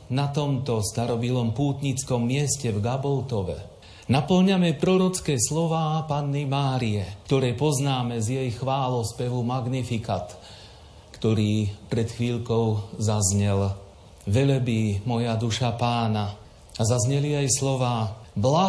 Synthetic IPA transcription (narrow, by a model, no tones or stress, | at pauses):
nat̪ɔmt̪ɔst̪aɾɔbilɔmpuːt̪ɲit͡skɔmːɪɛscɛvɡabɔlt̪ɔʋɛ̰ | napl̩ɲamɛpɾɔɾɔt͡skɛːslɔʋaːpanːimaːɾiɛkt̪ɔɾɛːpɔznaːmɛzjɛjxʋaːlɔspɛʋumaɡnifikat̪ | kt̪ɔɾiːpɾɛt̪xʋiːʎkɔʊzazɲɛl | ʋɛlbimɔjad̪uʃapaːna | azazɲɛliajslɔʋaːbla